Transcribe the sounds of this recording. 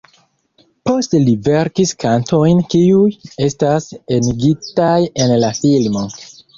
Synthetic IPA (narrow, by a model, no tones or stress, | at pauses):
po̞stelive̞ɾkiskanto̞jnkiuje̞staseniɡitaje̞nlafilmo